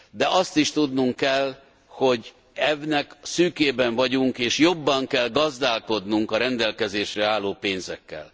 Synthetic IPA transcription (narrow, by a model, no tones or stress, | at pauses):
d̪ɛʔɒst̪iʃt̪ud̪nuŋkːɛl | ho̞ɟ | ɛvnɛksyːkeːbɛɱvɒɟuŋkeːʃjo̞bːɒŋkɛlɡɒzd̪aːlko̞d̪nuŋkɒɾɛnd̪ɛlkɛzeːʃrɛaːlːoːpeːnzɛkːɛ̰l